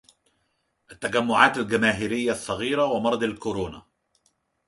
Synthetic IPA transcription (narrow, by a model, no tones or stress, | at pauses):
ʔat̪ːaɡamːʊʕaːt̪alɡamaːɦɪɾɪjːasˤːɑɣiːɾawɪmɑɾˤɑd̪ˤalkʊɾoːna̰